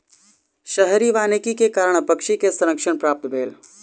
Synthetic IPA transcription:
ʃəɦɾiʋaːnɪkikekaːɾəɳ̃pɐkʃikesəɾəkʃəɳ̃pɾaːp̚t̪bʱeːl

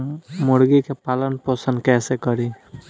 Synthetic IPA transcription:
mʊɽɡikepaːlənpəsə̃nd̪̚kɛːsekəɾi

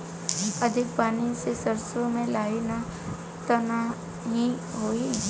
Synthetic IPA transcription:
əd̪ʱɪk̚paːnisesəɾsomẽlaːina | t̪əna | ɦiɦoːi

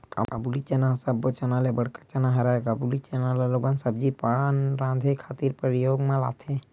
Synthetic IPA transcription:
ka̰abulit͡ʃenasabot͡ʃɐnalebəɽkḁt͡ʃɐnaɦɐɾaekabulit͡ʃenaleloːɡansɐb̚d͡ʒipanɾãːd̪ʱekʰaːt̪iɾpəɾijoːɡmãla̰ːt̪ʰe

